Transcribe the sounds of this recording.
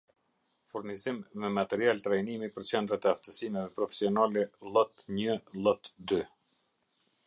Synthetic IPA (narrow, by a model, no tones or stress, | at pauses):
fuɾnizimmɛmat̪ɛɾialt̪ɾajnimipəɾt͡ɕɛnd̪ɾat̪ɛaft̪əsimɛðɛpɾɔfɛ̥siɔnalɛlˠɔt̪ɲəlˠɔt̪d̪y